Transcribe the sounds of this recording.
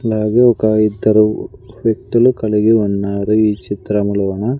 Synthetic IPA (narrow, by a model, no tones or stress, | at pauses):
ɐlaːɡeɔkɐid̪ːɐɾuʋjɐk̚ʈ̪ulukɐɭiɡeunːaːɾuiːt͡ʃit̪ɾɐmulɐʋɐnɐ